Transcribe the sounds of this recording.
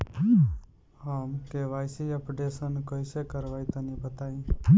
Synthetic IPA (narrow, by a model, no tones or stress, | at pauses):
hamkeʋaːjsiəpɖesənkəjsekəɾʋait̪ənebət̪aĩ